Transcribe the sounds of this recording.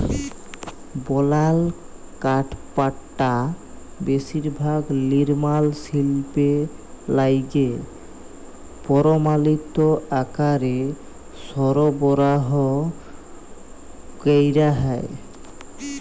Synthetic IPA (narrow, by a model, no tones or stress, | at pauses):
bɔlal | kaʈpaʈːa | beʃiɾbʱaɡliɾmalsilpelajɡe | pɔɾomalit̪oakaɾe | sɔɾobɔɾaɦo | kejɾaɦae